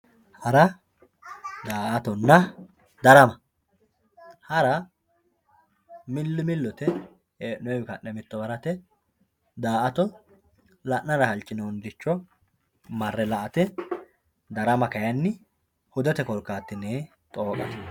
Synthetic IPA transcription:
hɐɾɐ | d̪aːʔɐt̪ɔnːɐ | d̪ɐɾɐmɐ | hɐɾɐ | mɪlːɪmɪlːɔt̪ɛ | eːnʊɛkɐʔɛmɪt̪ːɔbɐɾɐt̪ɛ | d̪aːʔɐt̪ɔ | lɐʔnɐɾɐhɐlt͡ʃʼːɪnoːnd̪ɪt͡ʃːɔ | mɐrːɛlɐʔɐt̪ɛ | d̪ɐɾɐmɐkɐjɐnːɪ | hʊd̪ɛt̪ɛkɔɾkːaːt̪ːɪneː | t̪ʼoːkʼɐt̪

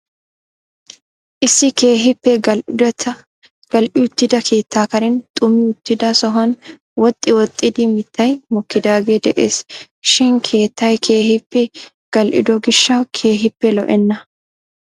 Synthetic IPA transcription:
ʔɪsːɪkeːɦɪpːɛt̪ʰɐ | ɡ̥ɐlʔɪʊt̪ːɪd̪ɐkʰe̞ːt̪ːaːkɐɾɛnt̪ʼʊmːɪʊt̪ːɪd̪ɐsɔɦɐn | wɔt̪ʼːɪwɔt̪ʼːɪd̪ɪmɪt̪ːɐjmɔkːɪd̪aːɡe̞ːd̪ɛʔeːs | ʃɪnkʰe̞ːt̪ːɐjkʰe̞ːhɪpːɛ | ɡ̥ɐlʔɪ̰d̪ɔɡɪʃːɐkʰe̞ːɦɪpːɛlɔ̰ʔɛnːɐ

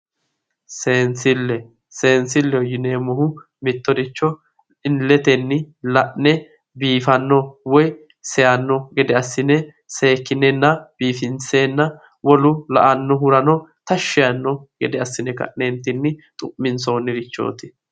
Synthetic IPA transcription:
seːnsɪlːɛ | se̞ːnsɪlːɛjɪneːmɔɦʊ | mɪt̪ːɔd̪ɪt͡ʃːɔ | ɪnlːɛt̪ɛnːɪlɐʔnɛ | biːfɐnːɔwɔj | sɛjɐnːɔɡɛd̪ɛɐsːɪnɛ | se̞ːkːɪnːɛnːɐb̥iːfɪnt͡seːnːɐ | wɔlʊlɐ̰ʔɐnːɔɦʊɾɐnɔt̪ɐʃːɪjɐnːɔɡɛd̪ɛɐsːɪnɛkɐ̰ʔnent̪ːɪnːɪt̪ʼʊʔmɪnso̞ːnːɪdɪt͡ʃːo̞̰ːt̪ɪ̥

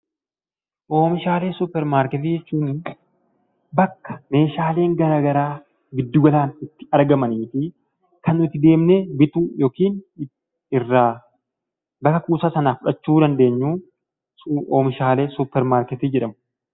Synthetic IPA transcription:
ʔoːmɪʃaːle̞ːsʊpːɛɾmaːɾkɛt̪̬id͡ʒɛt͡ʃːuːnɪ | bɐkːɐ̥me̞ːʃaːle̞ːŋɡɐɾaːɡɐɾaː | ɡɪd̪ːʊɡɐlaːnɪt̪ːɪ̥ɐɾɡɐmɐniːfɪ | kɐnːʊɪt̪ːɪd̪e̞ːmneːbɪt̪uːjo̞ːkiːn | ɪrːaː | bɐkːɐkuːsaːsɐnaːfʊᶑɐt͡ʃːuːd̪ɐnd̪e̞ːɲːuː | oːmɪʃaːle̞ːsʊpːɛɾmaːɾkɛt̪ɪd͡ʒɛᶑɐmʊ

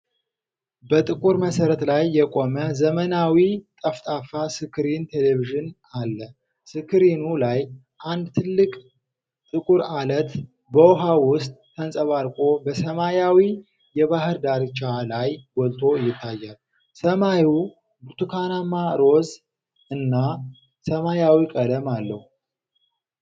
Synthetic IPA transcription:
bət̪ʼɨkʼuɾməsəɾət̪lajːɛkʼo̞məzəmənawit̪ʼəft̪ʼafasɨkʰɨɾint̪ʰe̞leviʒɨn | alːə | sɨkʰɨɾinulaj | ʔand̪t̪ʰɨlːɨkʼ | t̪ʼɨkʼuɾalət̪ | bəwɦawʊst̪ʼːʰənsʼəβaɾkʼo̞bəsəmajawi | jɛβahɨɾd̪aɾt͡ʃalajɡɔlt̪ʰo̞ɨjːɪt̪ʰːajːal | səmaju | but̪ʰukʰanamaɾo̞z | ɨnːa | səmajawikʼələmalːəhu

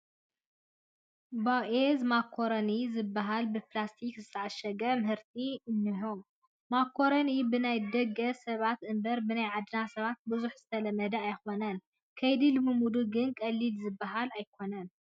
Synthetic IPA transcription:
bawʔezmakʰːo̞ɾɐnizɨbːaɦalbɨplast̪ʰikzɨt̪ʰɐaʃɐɡɐmɨhɨɾt̪ʰiɨnːɨɦom | makʰːo̞ɾonibɨnajd̪ɐɡɐsɐβat̪ʔɨmbɐɾbɨnajʕad̪ɨnasɐβat̪̚bɨzuħz̥ɨt̪ʰɐlɐmːɐd̪ɐajxonɐn | kʰɐjd̪ilɨmːɨmud̪uɡɨnkʼɐlːilzɨbːaɦalajkʰo̞nɐn

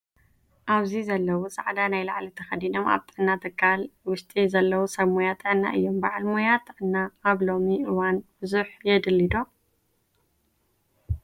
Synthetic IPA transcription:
ʔaβzizɐlːɐwusʼaʕd̪anajlaʕlit̪ʰɐxɐd̪ino̞ma̰βt̪ʼɨʕnːat̪ʰɨkʰːalwʊʃt̪ʼizɐlːɐwusɐmojat̪ʼʕɨnːa̰ʔɨ̰jːo̞mbaʕlmojat̪ʰʕɨnːaːβlo̞miʔɨwanb̥ɨzuħjɛd̪ɨlːid̪o̞

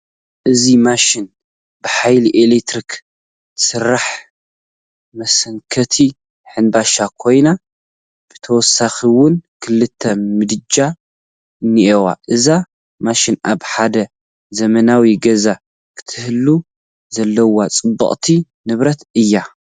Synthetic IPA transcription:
ʔɨzimaʃɪn | bɨħajliʔelekt̪ɾik | sɨrːaħ | mɐsɐŋkʰɐt̪ʰi | ħɨnbaʃakʰo̞jna | b̥ɨ̥t̪ʰɐwɔsːaxiwʊnkʰɨlɨt̪ʰːɐmɨd̪ɨd͡ʒa | niʔewa̰ʔɨza | maʃinʔaβħad̪ɐ | zɐmɐnawiɡɐza | kʰɨ̥t̪ʰɨhɨlːu | zɐlːɐwat͡sʼɨbːɐ̰χʼt̪ʰi | nɨβɾɐt̪ɨjːa

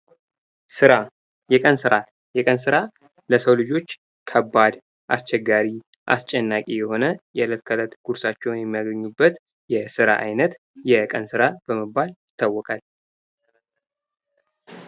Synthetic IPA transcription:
sɨɾa | jɛkʼənsɨɾa | jɛkʼənsɨɾa | ləsəwlɨd͡ʒo̞t͡ʃː | kʰəbːad̪ | ʔa̰st͡ʃɛɡːaɾi | ʔa̰st͡ʃʼːɛnːakʼijɛho̞nəjɛlət̪kʰələt̪ɡ̥uɾsat͡ʃːɛwnjɛmːijaɡəɲːubːət̪ | jɛsɨɾa̰ʔa̰jnət̪ | jɛkʼənsɨɾab̥əməbːaljɪt̪ʰːawːɔkʼal

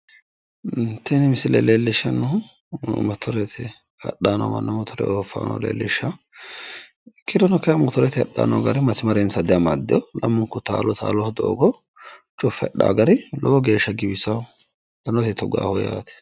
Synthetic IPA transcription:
nt̪ːɛnɪmɪsɪleːleːlːɪʃɐnʊ | mɐt̪ʰɔɾɛt̪ʰɪ | hɐ̰ɗaːnɔ̰mɐ̰nːɔmɐt̪ʰɔɾɛ̰oːfa̰ːnɔ̰lḛːlːɪʃːɐ | kʰʼɪɾɔnɔkːɛjɐmɐt̪ɔɾɛt̪ɪhɐɗːa̰ːnɔ̰ɡɐɾɪmɐsmɐɾɛnsɐd̪ɪjɐmad̪ːɪjɔlɐmːʊŋkːʊt̪aːlɔt̪ʰa̰ːlɔhd̪o̰ːɡɔ | t͡ʃʼʊfːɛɗːa̰ːɡɐɾɪlɔbɔɡe̞ːʃːɐɡɪbɪsɐw | d̪̥ɐnɔt̪ɛt̪ɔɡa̰ːhɔja̰ːt̪ɛ̥

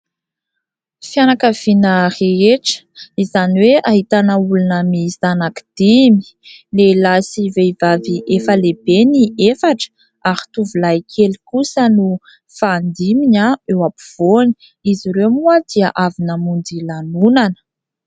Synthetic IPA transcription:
fianakav̥inəreeʈ͡ʂə̥izaniweʔaɦit̪anəulunəmizanaki̥d̪̥imi̥lelasiveivaviʔefəleb̥eniefaʈ͡ʂə̥ | aɾi̥t̪uvulajkʰeli̥kusənu | faːnd̪imiɲaewapiv̥oni̥ | iziɾewmuəd̪̥iəʔavinəmund͡zilanunanə̥

